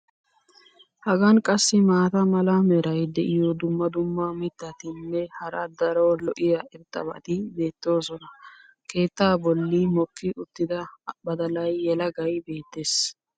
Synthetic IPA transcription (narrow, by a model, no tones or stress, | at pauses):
hɐɡɐnkʼɐsːɪmaːt̪ɐmɐlɐmɛɾɐjd̪ɛʔɪjɔd̪ʊmːɐd̪ʊmːamɪt̪ːɐt̪ɪnːɛhɐɾɐd̪ɐɾolɔʔɪjɐʔɛɾt̪ʼːɐ̰bɐ̰t̪ɪbe̞ːt̪ːo̞ːsɔnɐ | kʰe̞ːt̪ːaːbɔlːɪmɔkːɪʔʊt̪ːɪd̪ɐbɐd̪ɐlɐjːɛlɐɡɐjbe̞ːt̪ːes